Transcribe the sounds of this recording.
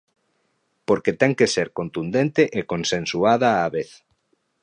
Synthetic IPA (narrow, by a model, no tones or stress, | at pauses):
poɾket̪ɛŋkeseɾkont̪und̪ent̪eʔekõnsẽnsuaðaːβeθ